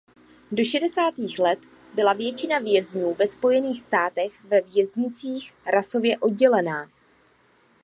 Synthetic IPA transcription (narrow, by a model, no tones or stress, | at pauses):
do̞ʃɛdɛsaːt̪iːxlɛt̪ | bɪlavjɛt͡ʃɪnavjɛzɲuːvɛspo̞jɛniːxst̪aːt̪ɛxvɛvjɛzɲɪt͡siːxɾaso̞vjɛʔo̞d̚ɟɛlɛnaː